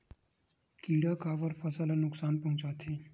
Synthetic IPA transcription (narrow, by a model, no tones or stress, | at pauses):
kiːɽakaːbəɾpʰɐsəlanʊksaːnpɐɦʊ̃t͡ʃaːt̪ʰiː